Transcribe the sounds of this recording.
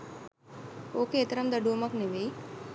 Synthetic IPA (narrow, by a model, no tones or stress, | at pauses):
oːkeːt̪ɐɾɐmd̪əɖumɐkneʋej